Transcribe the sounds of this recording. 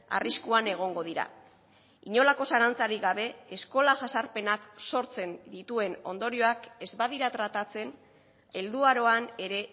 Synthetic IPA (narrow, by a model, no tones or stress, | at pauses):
a̰riskuane̞ɣ̞o̞ŋɡo̞ð̞iɾa̰ | iɲo̞lako̞saɾant͡saɾiɣaβ̞e̞ːsko̞laʝasaɾpe̞nakso̞ɾt͡se̞nd̪it̪ue̞no̞nd̪o̞ɾio̞ake̞zbað̞iɾat̪ɾat̪at͡se̞n | e̞ld̪uaɾo̞ane̞ɾe̞